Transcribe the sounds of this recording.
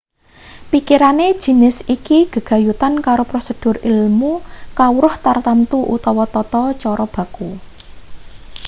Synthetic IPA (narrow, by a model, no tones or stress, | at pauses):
pikiɾaned̥ʒ̥i̤nɪsikiɡ̥ə̤ɡ̥a̤jut̪ankaɾopɾosəd̥ʊ̤rilmukawɾʊht̪art̪amt̪uʔṵt̪ɔwɔt̪ɔt̪ɔt͡ʃɔɾɔb̥a̤ku